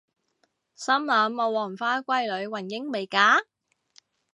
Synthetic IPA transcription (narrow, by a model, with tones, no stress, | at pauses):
sɐ˥mlɐː˨˧˥mːo˨˧wɔː˨˩ŋfaː˥kʷɐ˥jlɵ˨˧ɥwɐ˨˩njɪ˥ŋme˨˩jkaː˨˥